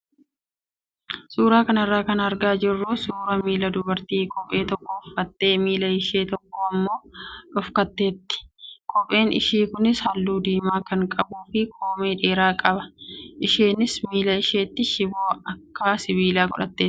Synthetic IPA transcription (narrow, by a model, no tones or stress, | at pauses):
suːɾaːkɐnɐrːaːkɐnɐɾɡaːd͡ʒɪrːʊsuːɾɐmiːlɐd̪ʊbɐɾt̪iːkʰʼɔpʼe̞ːt̪ɔkːɔːfkɐt̪ːe̞ːmiːlɐɪʃe̞ːt̪ɔkːɔɐmːo̞ːᶑɔfkɐt̪ːe̞ːt̪ːɪ̥kʼɔpʼe̞ːnɪ̰ʃiːkʊnɪshɐlːuːd̪iːmaːkɐŋkʼɐbuːfɪkʰoːmeːᶑe̞ːɾaːkʼɐbɐʔɪʃeːnɪsmiːlɐɪʃe̞ːt̪ːɪʃɪboːɐkːaːsɪbiːlaːɡɔᶑɐ̰t̪ːeː